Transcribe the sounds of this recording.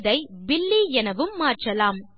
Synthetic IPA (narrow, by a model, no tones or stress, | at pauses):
ðɐɪbɪlːiɛnɐʋɯmːaːrʈrɐlaːm